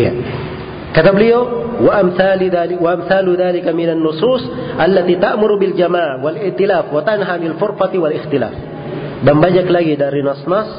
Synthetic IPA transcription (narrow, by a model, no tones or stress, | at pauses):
a̰ | kat̪abɪliowaʔamθalawaʔamθaːluðaːlɪkamɪnanːʊsuːsʔalːat̪iːt̪aʔmʊɾubɪld͡ʒamaʕwalɪht̪ilaːfwat̪anɦanɪlfʊɾfat̪iwalɪxt̪ɪla̰ːf | bambad͡ʒaklaɡidaɾinɑsnɑs